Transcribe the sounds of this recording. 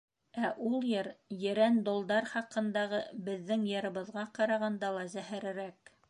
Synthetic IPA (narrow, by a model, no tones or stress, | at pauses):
æʔulˠjɤɾjɘ̆ɾænd̪ŏlˠd̪ɑɾχɑqɤ̆nd̪ɑʁɤbɘ̆ðːɘŋjɤ̆ɾɤ̆βɤ̆ðʁɑqɑɾɑʁɑnd̪ɑlˠɑzæhæɾɘ̆ɾæk